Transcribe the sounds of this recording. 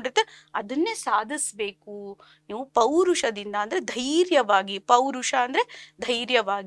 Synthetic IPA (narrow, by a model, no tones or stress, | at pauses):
ɖiɾt̪ːeɐd̪ɐnːeːsaːd̪ʱisbe̞ːku | niːʋupɐwɾuʂɐd̪ind̪ɐːnd̪ɐɾe̞d̪ʱɐjɾjɐʋaːɡipɐwɾuʃɐːnd̪ɐɾed̪ʱɐjɾjɐʋaːɡi